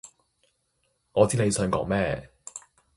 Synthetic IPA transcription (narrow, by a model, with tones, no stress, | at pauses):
ŋɔː˨˧t͡siː˨˥ne˨˧jsœː˨˧ŋkɔ̰ː˨˥ŋmɛː˥˨